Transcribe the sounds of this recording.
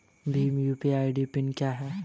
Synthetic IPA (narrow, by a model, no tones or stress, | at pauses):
bʱimjupiaːɪɖipɪnkjaːɦɛː